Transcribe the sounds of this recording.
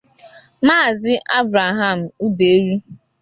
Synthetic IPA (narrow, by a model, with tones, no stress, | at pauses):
maː˦˨zɪ˦ʔa˦bɾa˨ɦa˦˨m̩˨u˦be˨e˦ɾi˦